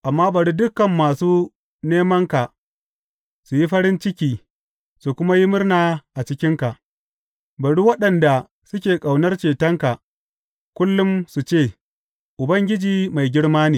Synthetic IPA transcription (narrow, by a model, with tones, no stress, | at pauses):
ʔa˨mːaː˦bɐ˨ɽu˦dʊ˦kɐ˨mːaː˨suː˦ | neː˦mɐ˦ŋka˨ | su˨ji˦ɸɐ˦ɽɪ˦nt͡ʃɪ˦kʲiː˦ | su˨kʷʊ˦ma˦ji˦mʊ˦rnaː˨ʔa˨t͡ʃɪ˦kʲɪ˦ŋka˨ʔ | bɐ˨ɽu˦wɐ˦ɗɐ˨nda˨ | sʊ˦kʲeː˨kʼa˨wnɐ˦rt͡ʃeː˨tɐ˦ŋka˨ | kʷʊ˦lːʊ˦msu˨t͡ʃeː˦˨ | ʔʊ˨bɐ˦ŋɡʲɪ˦d͡ʒiː˨ma˨jɡʲɪ˦ɽmaː˦niː˨